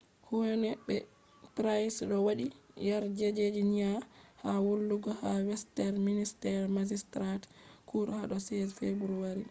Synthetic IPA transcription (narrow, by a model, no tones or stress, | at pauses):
hunɛbɛ | pɾajsɗɔwaɗijaɾd͡ʒed͡ʒed͡ʒiɲahawolːuɡɔhawɛstɛɾministɛɾmad͡ʒistɾatkuɾhaɗɔsɛzfebuɾuwaɾi